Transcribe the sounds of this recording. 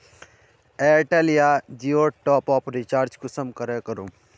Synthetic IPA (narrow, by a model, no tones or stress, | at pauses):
eʈeːlijad͡ʒioːʈɔːpɔːpɾit͡ʃaːɾd͡ʒkʊsəmkəɾekəɾu